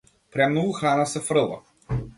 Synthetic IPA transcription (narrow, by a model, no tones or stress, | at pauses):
pɾʲamnulˠxanɐsɛfɾɨlˠɐ̰